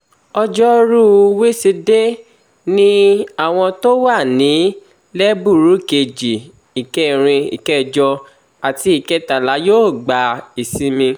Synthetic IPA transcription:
ɔ˧d͡ʒɔ˦ɾu˦˧we˦si˧de˦ | nĩ˦a˦˨w̃ɔ̃˧to˦wa˦˨nĩ˨˦ | lɛ˦bu˦˨ɾu˨˦ke˧d͡ʒi˨ | i˨kɛ˦˨ɾ̃ĩ˧ḭ˨kɛ˦˨d͡ʒɔ˧ | a˨ti˧i˦˨kɛ˦ta˨la˨˦joː˦˨ɡ͡ba˨˦i˨sĩ˨˦mĩ˧

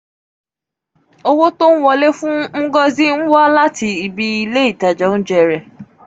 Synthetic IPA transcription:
o˧wo˦to˦n̩˦wɔ˧le˦fũ˦ŋ̩˦ɡɔ˦zi˦n̩˦wa˦la˦ti˧i˧bi˧i˧le˦i˦˨ta˨d͡ʒɔ̃˨˦n̩˦d͡ʒɛ˦˨ɾɛ˨

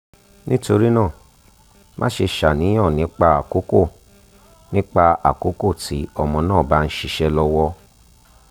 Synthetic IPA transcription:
nĩ˦to˧ɾi˦nã˦˨ | mʔã̰˦ʃe˧ʃa˨nĩ˨˦ɔ̃˦˨nĩ˨˦k͡pa˧a˨ko˨˦ko˦˨ | nĩ˦k͡pa˧a̰˨ko˨˦ko˦˨tʰi˨˦ɔ˧mɔ̃˧nãː˦˨ba˨˦n̩˦ʃi˧ʃɛ˧lɔ˧wɔ˧

